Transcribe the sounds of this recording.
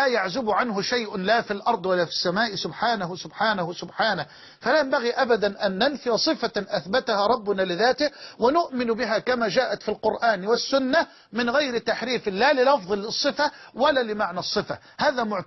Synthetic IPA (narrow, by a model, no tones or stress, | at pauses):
aːjaʕzʊbʊʕanɦʊʃajʔlaːfilʔɑɾˤd̪ˤwalːaːfi̥sːamaːʔɪsʊbħaːnahʊsʊbħaːnahʊsʊbħaːnah | falaːjambaɣiːʔabad̪anʔanːanfɪjsˤɨfaʔaθbat̪ahaːɾˤɑbːʊnaːlɪðaːt̪ɪhwɪnʊʔmɪnbɪɦaːkamaːd͡ʒaːʔat̪filqʊɾʔaːnwɪsːʊnːa | mɪnɣajɾɪt̪aħɾiːfɪlaːlɪlɑfðˤɑlːɨsˤːɨfawalaːlɪmaʕnasˤːɨfa̰ | haːðamʊʕ